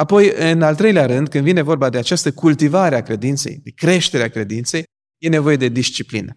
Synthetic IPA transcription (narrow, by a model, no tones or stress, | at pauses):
apo̞jɨnalt̪ɾe̞jleaɾɨnd̪̚kɨnd̪vine̞vo̞rbad̪e̞at͡ʃast̪əkult̪ivaɾeakɾe̞d̪int̪sḛjd̪e̞kɾe̞ʃt̪e̞ɾeakɾe̞d̪int̪se̞j | je̞ne̞vo̞je̞d̪e̞d̪iʃt͡ʃiplḭnə